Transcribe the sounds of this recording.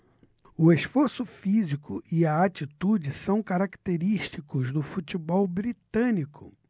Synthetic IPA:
ʊesfoɾsʊfizikʊʔɪɐat͡ʃit̪ud͡ʒɪsɐ̃w̃kaɾakt̪eɾiʃt͡ʃikʊzd̪ʊfut͡ʃibɔwbɾit̪ɐ̃nikʰʊ

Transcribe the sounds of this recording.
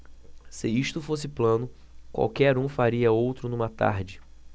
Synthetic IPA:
sɪiʃt̪ʊfosɪplɐ̃nʊ | kwa̰wkɛɾũfaɾiɐowt̪ɾʊnũmɐt̪a̰ɾd͡ʒɪ

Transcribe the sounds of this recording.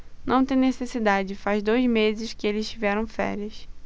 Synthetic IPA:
nɐ̃w̃t̪ẽj̃nesesid̪ad͡ʒɪfazd̪ojzmezɪskɪelɪsʃt͡ʃivɛɾɐ̃w̃fɛ̰ɾiɐs

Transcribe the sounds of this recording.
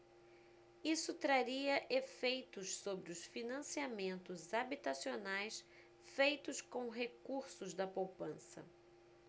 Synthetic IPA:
isʊt̪ɾaɾiɐʔefejt̪ʊssobɾɪʊsfinɐ̃siamẽnt̪ʊzabit̪asionajs | fejt̪ʊskõw̃ɦekuɾsʊzd̪ɐpowpɐ̃sɐ̰

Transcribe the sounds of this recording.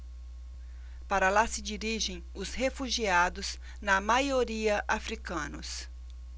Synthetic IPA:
paɾɐlasɪd͡ʒiɾiʒẽj̃ʊshefuʒiad̪ʊs | nɐmajoɾiɐʔafɾikɐ̃nʊs

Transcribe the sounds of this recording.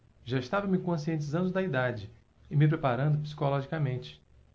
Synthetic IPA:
ʒaɪʃt̪avɐmɪkõsiẽt͡ʃizɐ̃nd̪ʊd̪ɐid̪ad͡ʒɪ | ɪmɪpɾepaɾɐ̃nd̪ʊpsi̥kolɔʒikɐmẽnt͡ʃɪ̥

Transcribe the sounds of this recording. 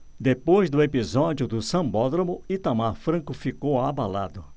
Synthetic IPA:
d̪epojzd̪ʊepizɔd͡ʒiʊd̪ʊsɐ̃bɔd̪ɾɐmʊit̪amaɾfɾɐ̃kʊfikowabala̰d̪ʊ

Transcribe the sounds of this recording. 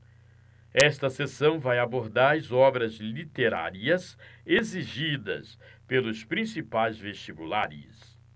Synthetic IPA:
ɛst̪ɐsesɐ̃w̃vajaboɾd̪aɾɐzɔbɾɐzlit̪eɾa̰ɾiɐseziʒid̪ɐ̰s | pelʊspɾĩsipajzveʃt͡ʃibulaɾɪ̰s

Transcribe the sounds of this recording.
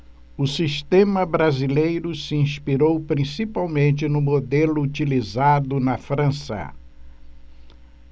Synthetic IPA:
ʊsiʃt̪ẽmɐbɾazilejɾʊsɪĩspiɾowpɾĩsipawmẽnt͡ʃɪnʊmod̪elʊut͡ʃilizad̪ʊnɐfɾɐ̃sɐ̰

